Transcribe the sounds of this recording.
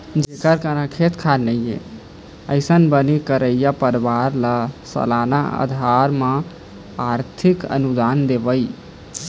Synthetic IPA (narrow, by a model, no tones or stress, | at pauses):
d͡ʒekəɾkəɾə̃kʰet̪kʰanəjḛ | əɪsənbənikəɾəjjapəɾʋaɾlasə̰lana̰ə̰d̪ʱaɾme | aɾt̪ʰikə̰nud̪and̪ebəj